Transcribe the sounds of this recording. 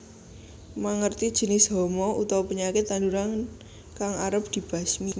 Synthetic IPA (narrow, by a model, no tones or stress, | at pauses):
maŋərt̪id̥ʒ̥ə̤nɪsɦɔmɔut̪awpəɲakɪt̪ːand̪uɾan | kaŋaɾəp̚d̪̥i̤b̥a̤smi